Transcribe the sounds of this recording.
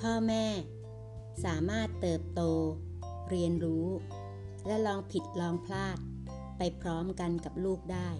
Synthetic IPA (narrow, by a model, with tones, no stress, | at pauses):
pʰɔː˥˩mɛː˥˩ | saː˩˦maː˥˩t̪ːɤː˨˩p̚t̪oː˧ | ɾi˧ənɾuː˦˥ | lɛ˦˥lɔː˧ŋpʰi˨˩t̪̚lɔː˧ŋpʰlaː˥˩t̪̚ | pa˧jpʰɾɔː˦˥mka˧nka˨˩p̚luː˥˩k̚daː˥˩j